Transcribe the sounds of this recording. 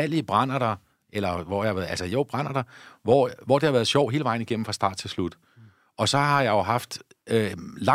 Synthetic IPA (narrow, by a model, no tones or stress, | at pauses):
æl̰iəb̥ʁɑn̰ɐd̥ɑ̈ | ʔelɐʋɒjaælsəjo̰b̥ʁɑ̈n̰ɐd̥ɑ̈ʋɒʋɒ̰d̥ehɑʋæːɐð̞̩ˠɕjɒ̰ʊ̰ɦe̝ːləʋɑ̈ɪ̰n̩iɡ̥en̰m̩fʁɑ̈sd̥ɑ̰̈ːd̥̚t͡sʰe̝lslud̥ | ʔɒ̽sɒ̽ɦɑ̈jɑ̈jo̝ɦɑ̈fd̥ | ølɑ